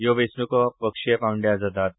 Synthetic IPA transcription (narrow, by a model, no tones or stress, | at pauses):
joʋesnukɔpəkʂepawɳɖjad͡zat̪at̪̚